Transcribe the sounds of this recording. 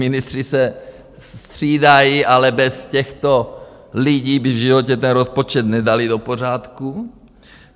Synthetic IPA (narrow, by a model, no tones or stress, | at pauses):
mɪnɪst̪r̥isɛ | st̪r̝̥iːdajiʔalɛbɛscɛxt̪o̞ | liɟiːbɪvʒɪvo̞cɛt̪ɛnɾospot͡ʃɛt̪nɛdalɪdo̞po̞r̝aːt̪ku